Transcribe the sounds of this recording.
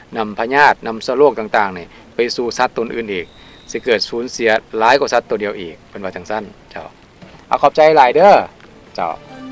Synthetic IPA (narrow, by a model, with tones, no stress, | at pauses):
na˧mpʰa˧ɲaː˥˩t̪̚na˧˥msu˧˩˨loː˥˩k̚t̪aː˨˧˩ŋt̪aː˨˩ŋni˧˩ | pa˧jsuː˧˩sa˧˦˥t̪ːo˧˨nʔɯː˨˩nʔiː˨˩k̚ | si˧˦kɤː˨˩t̪̚suː˨˦nsi˩˦ɐlaː˨˦˥jkɔː˧˩sa˧˦˥t̪ːo˧di˧ɐwʔiː˨˩k̚pe˨˩nwa˧˩aː˨˧˩ŋsa˧˥˩nt͡ɕa̰˧˩w | ʔa̰˧˩kʰːp̚t͡ɕa˧jlaː˨˦jdɤː˧˥ | t͡ɕa̰˧˩w